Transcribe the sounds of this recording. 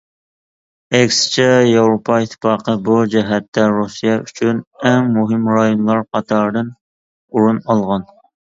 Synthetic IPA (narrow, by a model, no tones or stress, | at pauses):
ɛkʲsɪ̥t͡ʃʰɛjewɾopʰɑit̪ʰːɪ̥pɑːqʰəbud͡ʒɛɦɛt̪ːɛɾusijɛʔyt͡ʃʰynɛŋmuɦɪmɾɑjonlˠɑɾqʰɑt̪ʰɑɾd̪ɨn | uɾunɑlˠʁɑn